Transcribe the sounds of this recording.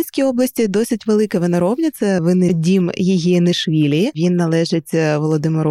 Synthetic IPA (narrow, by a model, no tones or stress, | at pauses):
lʲsʲkʲiɔblˠɐsʲtʲid̪ɔsʲɪtʲʋelˠɪkɐʋɪnɐɾɔwnʲɐt̪sʲɐʋɪnɪdʲimjiɦinɪʃʋʲilʲiʋʲinːɐlˠɛʒɪtʲʋɔlˠɔd̪ɪmeɾu